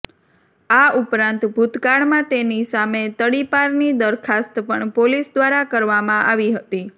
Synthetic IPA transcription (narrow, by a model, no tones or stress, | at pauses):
aupɾãnt̪bʱut̪kaɽmãt̪enisamet̪əɽipaɾnid̪əɾkʰast̪pəɳpolisd̪ʋaɾakəɾʋamãʔaʋiɦət̪i